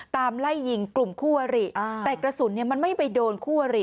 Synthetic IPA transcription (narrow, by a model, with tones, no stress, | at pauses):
t̪aː˧mla˥˩jːi˧ŋklu˨˩mkʰuː˥˩wa˧ɾi˨˩˧t̪ɛː˨˩kɾa˧su˨˩˦nːi˥˩ɐma˧nma˥˩jpa˧jdoː˧nkʰuː˥˩wa˧ɾi˨˩